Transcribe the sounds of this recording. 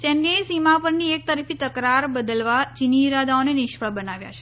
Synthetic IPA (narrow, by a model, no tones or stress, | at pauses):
t͡ʃɛ̃nɖensimapəɾniek̚t̪əɾifit̪əkɾaɾbəd̪əlʋat͡ʃiniɾad̪ʱaonenɪʃfəɭbənaʋja̰t͡ʃʰe̥